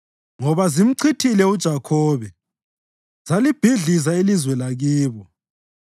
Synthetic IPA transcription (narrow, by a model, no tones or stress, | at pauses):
ŋɔβazim̩ǀʰitʰilɛud̥ʒ̥ʱakʰɔːβɛ | z̥alib̥ʱiɮizailizwɛlaɣiːβɔ